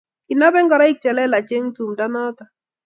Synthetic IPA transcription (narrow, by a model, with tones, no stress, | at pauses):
kɪ˨na˦bɛ˦ŋɡɔ˨ɾa˦ɪ˦k̚t͡ʃɛ˨lɛ˦la˨t͡ʃe˦ŋtu˨mda˦nɔ˦t̪a˨